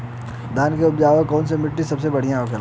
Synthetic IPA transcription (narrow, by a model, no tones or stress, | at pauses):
d̪aːnkeʊpd͡ʒaːʋekɔːnsemɪʈːisɐbsebɐɽ̤ijãokel